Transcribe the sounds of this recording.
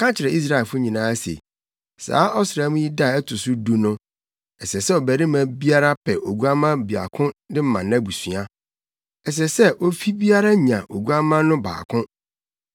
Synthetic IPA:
kã˦t͡ɕʰɪ˨ɾɛ˨i˦s̬ɾa˦˨e˨lfʊ˦ɲĩ˨nãː˨˦a˦sḛ˨ | sa̰ː˨˦ʔɔ˦sɾa˦mũ˦ji˦da˦˨ɛ˦tʰʊ˨sʊ˦du˦nʊ̃˦ | ɛ˨sɛ˨sɛ˦ɔ˨bæ˨ɾɪ˦mã˨bi˦a˦ɾa˦pʰɛ˨ʔo˨ɡu˦a˦mã˦bi˨a̰˨kʰʊ̃˦dɪ˦m̩˦mã̰˨nã˦bu˨sɥa˦ | ɛ˨s̬ɛ˨sɛ˦ʔo˦fi˦bi˦a˦ɾa˦ɲã˨ʔo˨ɡu˦a˦mã˦nʊ̃˦ba̰ː˨kʰʊ̃˦

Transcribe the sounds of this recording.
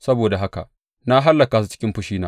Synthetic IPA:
sɐ˦boː˨da˨ɦa˦ka̰˨ʔ | na˦ɦa˦lːɐ˨ka˨su˦t͡ʃɪ̥˦kʲɪ˦mɸʊ˦ʃiː˦naː˦

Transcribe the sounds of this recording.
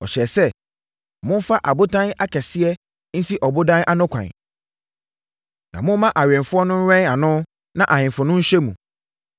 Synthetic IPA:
ɔ̰˨ɕɛ˨sɛ˦ | mʊ̃˦n˦fa˦ʔa˨bʊ˦tʰã˦na˦kʰɛ˨sɪ˦ɛ˦ | n̩˦si˦ʔɔ˨bʊ˦dã˦nʔa˦nʊ̃˦kʷʰã̰˨n˨ | nã̰˨mʊ̃˦mã˦ʔa˨ɥɛ̃˨nfʊ˦ɔ˦nʊ̃˦n˦ɾɛ̃˦na˨nʊ̃˦ | nã˦ʔa˨hɪ̃˨mfʊ˨nʊ̃˦n̩˦ɕᶣɛ˦mũ˨

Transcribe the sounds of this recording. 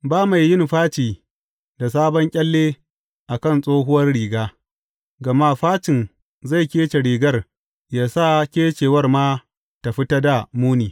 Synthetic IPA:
baː˦ma˨jːɪ˦˨nɸaː˦t͡ʃiː˨ | da˨s̬aː˦bɔ˦ŋkʲʼɐ˦lːeː˦ | ʔa˨kɐ˦˨nsʼoː˦ɦʊ˦wɐ˦rɽiː˨ɡaː˦ | ɡɐ˨ma˦ɸaː˦t͡ʃɪ˨n | za˦˨jkʲeː˦t͡ʃe˨ɾiː˨ɡɐ˦r | jaː˦sa˦˨kʲeː˦t͡ʃeː˨wɐ˦rmaː˦ | ta˨ɸɪ˦tɐ˦da˨muː˦niː˨

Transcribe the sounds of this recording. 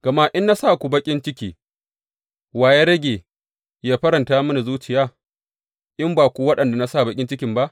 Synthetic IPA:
ɡ̥ɐ˨ma˦ʔɪ˦nːa˦saː˦˨kʷu˨bɐ˦kʲʼɪ˦nt͡ʃɪ˦kʲiː˨ | waː˨je˦ɾɐ˦ɡʲeː˨ | jaː˦ɸɐ˦ɾɐ˨ntaː˦mɐ˦na˨zuː˦t͡ʃɪ˨jaː˦˨ | ʔɪ˦mbaː˨kʷu˦˨wɐ˦ɗɐ˨nda˨na˦saː˦˨bɐ˨kʲʼɪ˦nt͡ʃɪ˦kʲɪ˨mba˦ʔ

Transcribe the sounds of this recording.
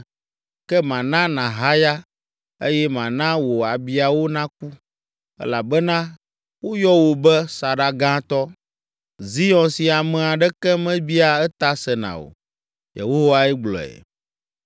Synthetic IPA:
kɛ˦mã˨nã˦nã˨ɦa˦ja˦ | e˦jɛ˦mã˨nã˦wo˨a˨bi˨a˨wo˦nã˦k̚u˦ | ɛ̰˦la˨bɛ˦nã˦ | wo˦jɔ˦wo˨bɛ˦sa˨ɖa˨ɡã˦t̪ɔ˦ | zi˦jɔ̃˨nsi˨a˨mɛ̃˨a˨ɖɛ˦kɛ˦mɛ̃˦bi˦a˨ɛ˦t̪a˦sɛ˨nã̰˨o̰˨ | jḛ˨ɦo˦ɦo˦wa˦ɛ˦ɡ͡blɔ̰˨ɛ̰˨

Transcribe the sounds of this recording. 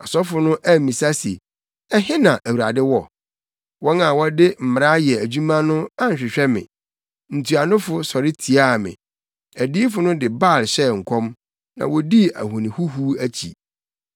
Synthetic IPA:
a˨sɔ˦fʊ˦nʊ̃˦ʔæ˦˨mĩ˨sa˦sḭ˨ | ɛ˦ɦɪ̃˦nã˨ʔæ˨wu˨a̰˨dɪ˦wɔ˨ | wɔ˦nã˨wɔ˦dɪ˦m̩˨m˨ɾa˦jɛ˨æ˨d͡ʑu˦mã˦nʊ̃˦a˦ɲ̩˨ɕᶣɪ˨ɕᶣɛ˦mɪ̰̃˨ | n̩˨tʰu˨a˨nʊ̃˦fʊ˨sɔ˨ɾɪ˦tʰi˨a˦˨mɪ̰̃˨ | æ˨di˦fʊ˦nʊ̃˦dɪ˨ba˦˨lɕɛ˦˨ŋ̩˨kʷʰɔ̃˦m | nã̰˨wɔ˨di˦æ̰˨hũ˨nĩ˨hu˦ɦu˦æ˦t͡ɕʰḭ˨

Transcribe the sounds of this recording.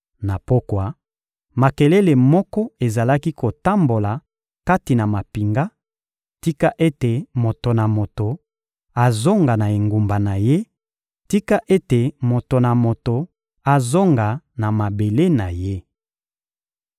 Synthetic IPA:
na˨po˦kwa˦ | ma˨ke˨le˦le˨mɔ˦kɔ˦e˨za˨la˦ki˦ko˨ta˦mbo˨la˨ | ka˦ti˨na˨ma˨pi˨ŋɡa˦ | ti˦ka˦ʔe˦te˨mo˨to˨na˨mo˨to˨ | a˨zo˦ŋɡa˨na˨e˨ŋɡu˨mba˨na˨je˦ | ti˦ka˦ʔe˦te˨mo˨to˨na˨mo˨to˨ | a˨zo˦ŋɡa˨ | na˨ma˨be˨le˦na˨je˦

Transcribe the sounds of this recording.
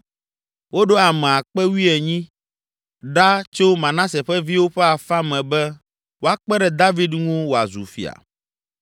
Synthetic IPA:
wo˦ɖo˦a˨mɛ̃˨a˨k͡pɛ˦wi˦ɛ˨ɲĩ˦ | ɖa˦t͡ʃo˦mã˨nã˦sɛ˨ɸɛ˦vi˦wo˦ɸɛ˦a˨fa˦mɛ̃˨bɛ˦ | wo˦a˦k͡pɛ˦ɖɛ˨d̪a˦vi˦d̪ŋũ˦wo˨a̰˨zṵ˨fḭ˨a̰˨

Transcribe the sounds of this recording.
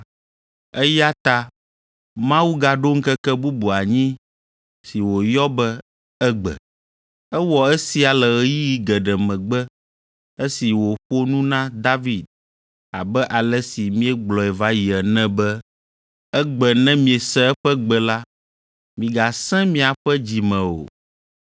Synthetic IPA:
ɛ˦ja˦t̪a˦ | mã˦wu˦ɡa˨ɖo˦ŋ̩˦kɛ˦kɛ˦bu˦bu˨a˨ɲĩ˦ | si˨wo˨jɔ˦bɛ˦ | ɛ˦ɡ͡bɛ̰˨ | ɛ˦wɔ˨ɛ˦si˦a˨lɛ˨ɣɛ˦ji˦ji˦ɡɛ˨ɖɛ˨mɛ̃˨ɡ͡bɛ˦ | e˦si˨wo˨ɸo˦nũ˦nã˦d̪a˦vi˨d̪̚ | a˨bɛ˦ʔa˨lɛ˦si˨mĩ˦ɛ˦ɡ͡blɔ˨ɛ˨va˦ji˨ɛ˨nɛ̃˦bɛ˦ | ɛ˦ɡ͡bɛ˨nɛ̃˦mĩ˨e˨sɛ˦ɛ˦ɸɛ˦ɡ͡bɛ˨la˦ | mĩ˨ɡa˨sɛ̃˦mĩ˦˨a˨ɸɛ˦d͡ʑi˨mɛ̃˨o̰˨

